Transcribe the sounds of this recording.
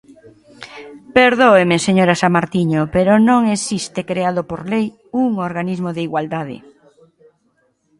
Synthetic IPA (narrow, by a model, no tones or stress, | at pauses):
peɾðoemeseɲoɾasamaɾt̪iɲopeɾonõŋesist̪ekɾeaðopoɾlej | uŋoɾɣanizmoðeiɣwald̪aðḛ